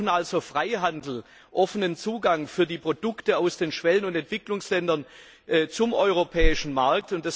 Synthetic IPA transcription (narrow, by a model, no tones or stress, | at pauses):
n̩ʔalzofʁ̥aɪɦandl̩ | ʔɔfənənt͡suːɡaŋfyːɐdiːpʁ̥odʊktəaʊsd̥eːnʃv̥ɛlənʊntɛntv̥ɪklʊŋslɛndɐn | ʔɛːt͡sʊmʔɔʏʁopʰɛːɪʃn̩maɐk̚tʊntd̥as